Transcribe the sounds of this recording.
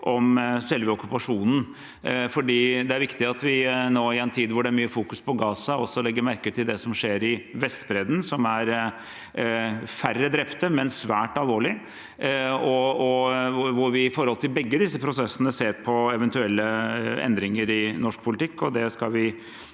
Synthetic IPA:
ʔɔmsɛlʋəɔkːʉpɑʂuːnn̩ | fɔɖiːd̪ɛæɾʋɪkt̪ɪɑt̪ʋɪnoːɪɛnt̪ʰiːd̪ʋʊɖɛæɾmyːəfuːkʉspʰɔɡɑːsɑɔsːɔlɛɡːəmæɾkəʈ̪ɪld̪ɛsɔmʂeːɾɪʋɛst̪bɾɛd̪nsɔmæɾ | færːəd̪ɾɛpt̪əmɛnsʋæːʈɑlˠʋoːɭɪ | ɔɔʋʊɾʋɪɪfɔɾhɔlt̪ʰɪlbɛɡːəd̪ɪsːəpʰɾʊsɛsːənəseːɾpʰɔɛʋɛnt̪ʉɛlːəɛ̰nd̪ɾɪŋəɾɪnɔʂkpʰʊlɪt̪ʰɪkːɔd̪ɛskɑlʋɪ

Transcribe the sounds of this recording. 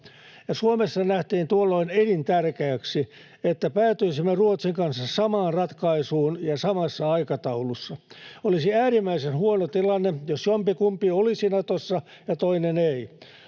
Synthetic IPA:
jɑsuomesːɑnæht̪iːnt̪uolːoinenint̪ærkeːksi | et̪ːæpæːt̪yisimːeruot̪siŋkɑnsːɑssɑmɑːnrɑt̪kɑisuːnjɑsɑmɑsːɑɑikɑt̪ɑulusːɑolisiæːrimːæisenhuonot̪ilɑnːejosjompikumpiolisinɑt̪osːɑ | jɑt̪oinenei

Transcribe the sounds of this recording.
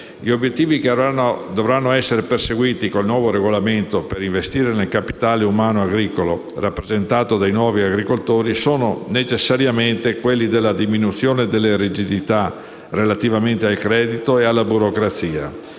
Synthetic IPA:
ʎiobjet̪ːiːvikd̪ovɾanːoɛsːeɾeperseɡwiːt̪ikolnwɔːvoɾeɡolament̪opeɾiɱvest̪iːɾenelkapi̥t̪aːleumaːnoaɡɾiːkolo̰ | rapːɾezent̪aːt̪od̪ajnwɔːviaɡɾikolt̪oːɾisoːnonet͡ʃesːaɾjament̪ekwelːid̪elːad̪iminut̪sːjoːned̪elːeɾid͡ʒid̪it̪a | relat̪ivament̪ealkɾɛːd̪it̪oealːabuɾokɾat̪siːa̰

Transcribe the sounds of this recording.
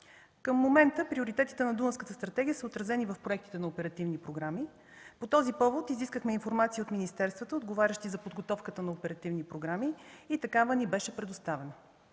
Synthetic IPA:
kəmːomɛnt̪əpɾioɾit̪ɛt̪i̥t̪ɛnɐd̪unəskət̪əst̪ɾɐt̪ɛɡʲijəsəot̪ɾɐzɛnivəfpɾoɛkt̪i̥t̪ɛnɐopɛɾɐt̪ivnipɾoɡɾami | pot̪ɔzipɔvot̪iziskəxmɛinfoɾmat̪siəot̪minist̪ɛɾst̪vət̪əod̪ɡovaɾʲəʃt̪izɐpod̪ɡot̪ɔfkət̪ənɐopɛɾɐt̪ivnipɾoɡɾamiːt̪ɐkavənibɛʃɛpɾɛd̪ost̪avɛnə

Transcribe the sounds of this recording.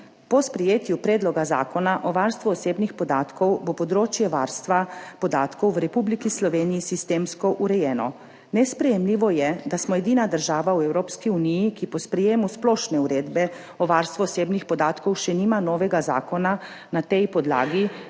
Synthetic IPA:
pɔspɾɛjeːt̪jupɾeːd̪lɔɡaza̰ːkɔnaʔɔʋaɾst̪ʋuːseːbnixpɔd̪aːt̪kɔwbopɔd̪ɾoːt͡ʃjɛʋa̰ːɾst̪ʋapɔd̪aːt̪kɔwʋɾɛpublikislɔʋeːnijisist̪eːmskɔʔuɾɛjɛːnɔ | nɛspɾɛjɛmliːʋɔjɛd̪asmɔɛd̪iːnad̪əɾʒaːʋawɛwɾoːpskiunijikipɔspɾɛjeːmusplɔːʃnɛuɾeːd̪bɛ | ɔʋaɾst̪ʋuɔseːbnixpɔd̪aːt̪kɔwʃɛniːmanɔːʋɛɡaza̰ːkɔna | nat̪ɛjpɔd̪la̰ːɡi

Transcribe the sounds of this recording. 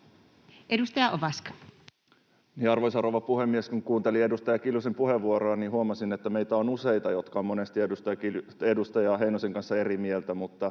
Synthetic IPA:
ʔedust̪ɑjɑʔoʋɑskɑ̥ | niɑrʋojsɑroʋɑpuhemːieskuŋkuːnt̪eliedust̪ɑjɑkilusempuheʋːuoɾoːnihuɑmɑsinet̪ːæmejt̪æonusejt̪ɑjot̪kɑomonest̪iedust̪ɑjɑkiedust̪ɑjɑɦeinoseŋkɑnsːɑerimielt̪æmut̪ːɑ

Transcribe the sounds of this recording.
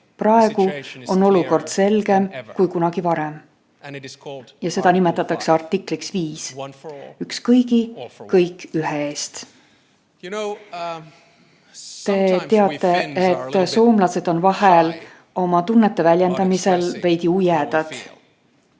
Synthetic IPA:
prɑe̞ɡ̥uo̞nːo̞luko̞rd̪̥se̞lɡe̞mkujkunɑɡ̥ivɑɾe̞m | jɑse̞d̪̥ɑnime̞t̪ːˑɑt̪ːˑɑkseɑrt̪ːˑikˑliksviːs | ykskɤjɡikɤjkːˑyɦeeːst̪ | t̪e̞t̪e̞ɑt̪ˑːe̞et̪ːso̞ːmlɑse̞d̪̥o̞nvɑhel | o̞mɑt̪unːet̪ːˑe̞vælʲje̞nd̪̥ɑmise̞lve̞jd̪iujɛd̪̥ɑd̪̥

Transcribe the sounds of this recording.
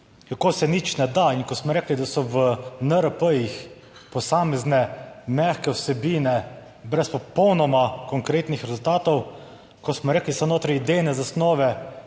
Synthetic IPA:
kakoːsɛnit͡ʃnɛd̪aiŋkɔsmɔɾeːklid̪asɔʋənəɾəpəjix | pɔsaːmɛznɛmɛxkɛwsɛbiːnɛ | bɾɛspɔpɔwnɔmakɔŋkɾeːt̪nixɾɛzʊlt̪aːt̪ɔw | kɔsmɔɾeːklisɔnoːt̪ɾajid̪ejnɛzasnɔːʋɛ

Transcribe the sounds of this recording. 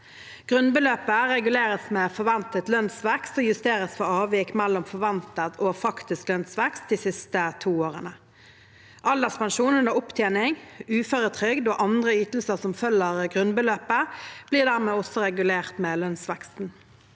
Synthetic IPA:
ɡ̥ʁʉnbəløːpəʁɛɡʉleːʁəsmeːfɔʁʋɛnt̪ət̪lœnsʋɛkst̪oːjʉst̪eːʁəsfɔɑːʋikmɛlːɔmfɔʋɛnt̪ət̪ʰoːfɑkt̪ɪsklœnsʋɛkst̪̚d̪iːsɪst̪ət̪ʰuːoːʁənə | ʔɑld̪əspɛnʃuːnʉnəʁʊpt̪ʰjeːnɪŋʉːføɾət̪ʰʁʏɡd̪oːʔɑnd̪ʁəyːt̪l̩səʁsɔmfœlːəʁɡʁʉnbəløːpəb̥liːʁd̪æʁmeːɔsɔʁɛɡʉleːʁt̪mɛːlœnsʋɛkst̪n̩

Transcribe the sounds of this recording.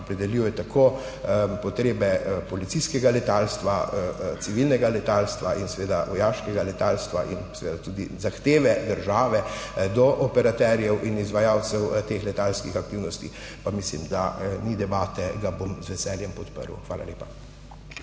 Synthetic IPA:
opɾɛd̪ɛliwjɛt̪akʰo | pɔt̪ɾeːbɛpɔlit̪iskɛɡalɛt̪aːlst̪ʋasiʋilnɛɡalɛt̪aːlst̪ʋaʔinsɛʋeːd̪aʋɔjaːʃkɛɡalɛt̪aːlst̪ʋa̰ʔinsɛʋeːd̪at̪ud̪izaxt̪eːʋɛd̪əɾʒaːʋɛd̪ɔʔɔpɛɾat̪ɛɾjɛwʔinizʋajaːw̪sɛwt̪eːxlɛt̪aːlskixak̚t̪iwnɔst̪i | pamislḭmd̪a̰nid̪ɛbaːt̪ɛɡabomzʋɛsɛːljɛmpɔt̪pə̰ɾw̰xʋaːla̰leːpa

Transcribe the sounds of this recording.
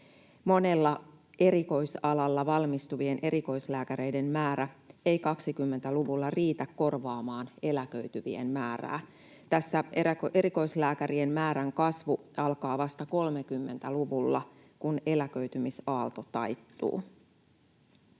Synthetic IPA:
mo̞ne̞lːɑ | e̞ɾiko̞jsɑlɑlːɑʋɑlmist̪uʋie̞nʔe̞ɾiko̞jslæːkæɾe̞jde̞mmæːɾæe̞jkɑksikymːe̞nt̪æluʋulːɑriːt̪ækːo̞rʋɑːmɑːne̞lækø̞ɥt̪yʋḭḛnmæːræ̰ː | t̪æsːæeæʔeɾiko̞islæːkæɾiemmæːɾæŋkɑsʋuɑlkɑːʋɑst̪ɑko̞lmekymːe̞nt̪æluʋulːɑ̰ | kune̞lækø̞ɥt̪ymisɑːlt̪o̞t̪ɑjt̪ːṵː

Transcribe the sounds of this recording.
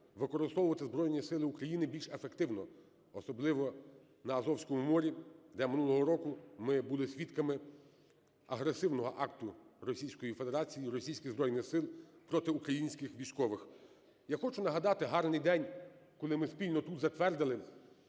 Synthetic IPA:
ʋɪkɔɾɪst̪ɔʋwʊʋɐt̪ɪzbɾɔjnʲisɪlˠɪukɾɐjinɪbʲilʲʃefekt̪ɪwnɔ | ɔsɔblˠɪʋɔ | nɐːzɔwsʲkɔmumɔɾʲid̪ɛmɪnulˠɔɦɔɾɔkʊmɪbʊlˠɪsʲʋʲit̪kɐmɪ | ɐɦɾesɪwnɔɦɔʔɑkt̪ʊrɔsʲijsʲkɔjife̞d̪eɾɑt͡sʲijiɾɔsʲijsʲkɪɣzbɾɔjnɪxsɪlˠpɾɔt̪ɪukɾɐjinʲsʲkɪxʋʲijsʲkɔʋɪx | jaxɔt͡ʃʊnɐɦɐd̪ɑt̪ɪɦɑrnɪjd̪ɛnʲkɔlˠɪmɪspʲilʲnɔt̪ut̪zɐt̪ʋɛrd̪ɪlˠɪ

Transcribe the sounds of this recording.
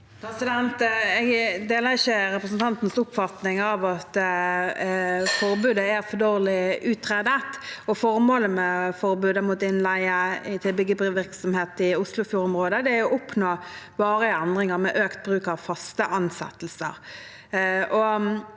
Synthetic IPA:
pʰɾɛsɪd̪ɛnt̪ɛɡd̪eːləʁɪçəɾɛpɾʁəs̬n̩t̪ʰɑnt̪n̩sʊpfɑt̪nɪŋɑʋɑt̪ | fɔɾbʉːd̪əæɾfɔd̪oːʁlɪʉːt̪ʰːʁeːd̪ət̪ɔfɔɾmoːləmɛfɔɾbʉːd̪əmut̪ɪnlæɪəɪt̪ʰɪlbɪɡəʋɪɾksɔmheːt̪ɪʊslʊfjuːɾɔmʁoːd̪əd̪ɛæɔʔɔpnoːʋɑːɾəɛnd̪ʁɪŋəʁmɛʔøːkt̪̚bɾʉːkɑʋfɑst̪əʔɑnsɛ̰t̪ːl̩sə̰ɾ | ʔɔ

